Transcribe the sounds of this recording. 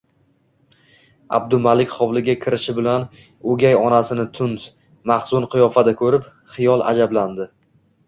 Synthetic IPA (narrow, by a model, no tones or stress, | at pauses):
a̰b̚d̪ʊmalɪkʲχɒwlɪɡʲakʲʰɪɾɪʃɪbɪlan | ɵɡʲajɒnasɪnɪt̪ʰʊnt̪ | maχzʊnqʰʊjɒfad̪akʰɵɾɪp | χɪjɒlˠa̰d͡ʒabland̪ɪ